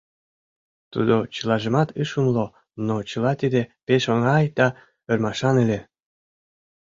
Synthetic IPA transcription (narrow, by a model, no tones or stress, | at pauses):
t̪ṵd̪ot͡ɕəlɑʒə̆mɑt̪ɯʃumlˠo | not͡ɕɤ̆lˠɑt̪id̪epeʃoŋɑjd̪̥ɑ | ə̆rmɑʃɑnĕlʲe